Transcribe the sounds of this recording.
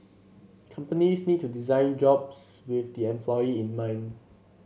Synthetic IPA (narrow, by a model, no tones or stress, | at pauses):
kʰãmpənisnid̚tudizãɪ̃nd͡ʒɔbswɪθdiɛ̃mpʰlɔiĩnmãɪ̃n